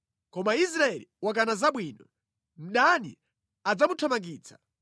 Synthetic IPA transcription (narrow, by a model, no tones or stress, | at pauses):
kɔmais̬ɾaɛliwak̬anazaɓwiːnɔ | m̩ɗanḭ | ad͡zamutʰɔmaŋɡiːt͡sʰḁ